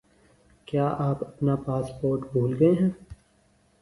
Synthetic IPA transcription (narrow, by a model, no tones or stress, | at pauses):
kjaːʔaːpɐpnapaːspoːɾʈbʱuːlɡɐeɦɛ̃ː